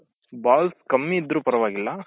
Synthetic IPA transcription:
baːlskɐmːiːd̪ːɾuːpɐɾɐʋaːɡilːɐ

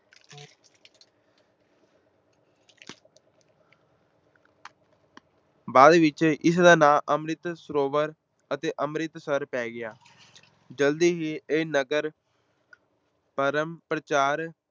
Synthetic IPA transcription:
baːd̪ʋɪt͡ʃɪsd̪aːnaːʔəmɾɪt̪səɾoːʋəɾ | ət̪eːʔəmɾɪt̪səɾpɛːɡɪjaː | d͡ʒəld̪iːɦiːeːnəɡəɾ | pəɾəmpɾət͡ʃaːɾ

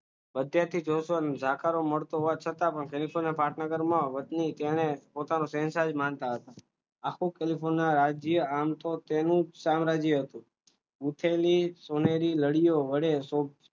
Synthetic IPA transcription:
ʋəd̪ʱjat̪ʰid͡ʒosoənd͡ʒʱakʰaɾoməɭt̪oɦʋat͡ʃʰət̪apəɳkelipʰonːapaʈnəɡəɾmãʋət̪nit̪enepot̪anosɛ̃nsad͡ʒmant̪aɦət̪a | akʰũkelipʰonːaɾad͡ʒjəamt̪ot̪enũsamɾad͡ʒiɦət̪ũ | ut̪ʰelisoneɾiləɽijoʋəɽeso

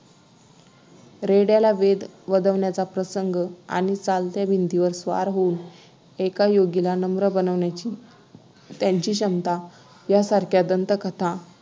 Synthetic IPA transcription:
ɾeɽjalaʋed̪ʋəd̪əʋɳjat͡sapɾəsəŋɡəa̰ɽ̃it͡salt̪jabʱint̪iʋəɾsʋa̰ɾɦouːn | ekajoɡilanəmɾəbənəʋɳjat͡ɕiː | t̪jaɲt͡ɕiːɕəmt̪a | jasaɾkʰjad̪ənt̪əkət̪ʰa

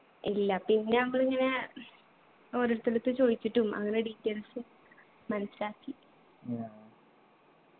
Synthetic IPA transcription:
ilːɐpinːe̞nɐmːɐɭiŋːɐne̞ | o̞ːɾoɾut̪ːilut̪ːɨt͡ɕo̞ːjit͡ɕːiʈːumʔɐ̰ŋːɐne̞ɖitːelsɨ | mɐnɐsiɾaːkːi

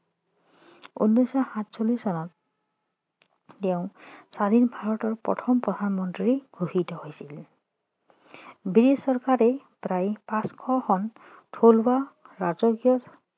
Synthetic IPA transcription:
ṵnːɔjsɔhãtsolisɔnɔt | eʊ̃sad̪ʱinbʱaɹɔtɔɹpɔ̰tʰɔmpɹɔd̪ʱanɔmɔntɹiibʱuɦitɔhojsil | biɹisɔɹkaɹɛ | pɾajpãskʰɔxʰɔn | tʰolwaɹazɔkjɔt

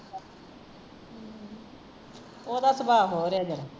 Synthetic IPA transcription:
oːd̪aːsəbaːɦoːɾeaːd͡ʒəɾa

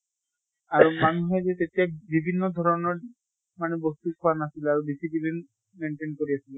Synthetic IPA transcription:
aɹumanuɦɛzɛt̪etijabibʱinːɔd̪ʱɔɹɔnɔɹ | manɛbost̪ikʰɔwanasilaɹubisipilin | meɳʈenkoɹiasilɛ

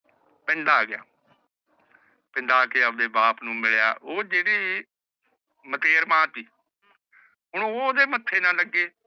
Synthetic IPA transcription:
pɛ̃nd̪aːɡɪja̰ː | pɛ̃nd̪aːkeːədeːbaːpnũːmɪɭja̰ːʔoːd͡ʒeːɽiː | mət̪eːɾmãːt̪iː | ɦʊɳ̃ːoːd̪eːmət̪ʰːeːnãːləɡːeː

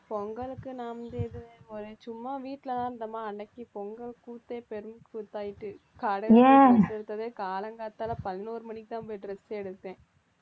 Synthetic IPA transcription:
pɔŋɡɐɭɯkːɯnãːʋɐnd̪eðɯɔɾɯt͡ʃʊmːaʋiːʈːɪlɐt̪ãːnd̪ɐmaːɐɳɖɐkːipɔŋɡɐɭkuːt̪ːeːpɛɾɯmkːfʊt̪ːaːjɪʈːɯ | kaːɽɐɣɛɛɽɯt̪ːɐðeːkaːlɐŋɡaːt̪ːaːlɐpɐðɪnoːɾɯmɐɳːɪkːɯt̪ãːpojɖɾɛseɛɽɯt̪ːẽː

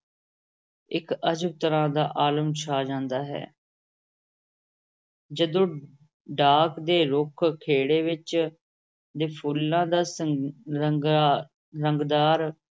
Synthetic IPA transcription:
ɪkəd͡ʒəb̚t̪əɾãːd̪aːʔaːləmt͡ʃʰaːd͡ʒãːnd̪aːɦɛ̰ː | d͡ʒəd̪õː | ɖaːkd̪eːɾʊkʰkʰeːɽeːʋɪt͡ʃ | d̪eːpʰuːlːãːd̪aː | ɾəŋɡd̪aːɾ

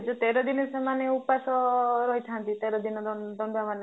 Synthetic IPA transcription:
d͡ʒut̪eɾɔd̪inɔsemaneupasɔɾɔɦit̪ʰant̪it̪eɾɔd̪inɔd̪d̪ɔndamane

